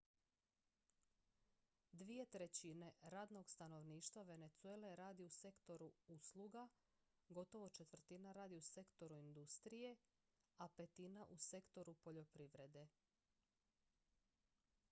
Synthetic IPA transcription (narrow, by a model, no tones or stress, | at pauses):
d̪ʋije̞t̪ɾe̞t͡ɕine̞ɾaːd̪no̞ɡst̪ano̞ʋniːʃt̪ʋaʋe̞ne̞t̪suele̞ɾaːd̪iuse̞kt̪o̞ɾuuslˠuɡa | ɡo̞t̪o̞ʋo̞t͡ʃe̞t̪ʋr̩t̪inaɾaːd̪iuse̞kt̪o̞ɾuind̪ust̪ɾije̞ | ape̞t̪inaʔuse̞kt̪o̞ɾupo̞ʎo̞pɾiʋɾe̞d̪e̞